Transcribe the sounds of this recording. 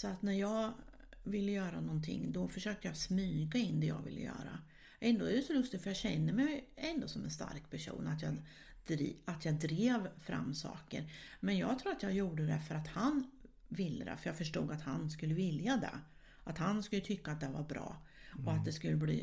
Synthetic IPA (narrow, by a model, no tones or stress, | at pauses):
sɔat̪næɾjɑːɡ | vɪlːəjœːɾa̰nɔnt̪ʰɪ̰ŋːd̪ɔfœʂøːk̚t̪əjɑsmyːɡaɪnd̪ɛjɑ̰ːɡvɪ̰lːə̰jœ̰ːɾa̰ | ʔɛnd̪oːɛɾɛsɔlɵst̪ɪɡfœɾjɑːɕɛnːəmɛjɛnd̪osɔmɛnst̪a̰ɾkpʰæʂṵːnat̪jɑː | d̪̥ɾat̪jɑːɡ̚d̪ɾeːvfɾa̰mːsɑ̰ːkə̰ɾmɛnjɑ̰ːɡt̪ʰɾuːɾat̪jɑːjuːɖəd̪ɛfœɾat̪hanvɪlːəd̪ɛ̰fœjɑːɡfœʂʈṵːɡat̪hanskɵlːəvɪljad̪ɛ̰ | ʔat̪hanskɵlːət̪ʰʏkːat̪̚d̪ɛvaɾbɾɑ̰ː | ɔat̪̚d̪ɛskɵlːəblḭː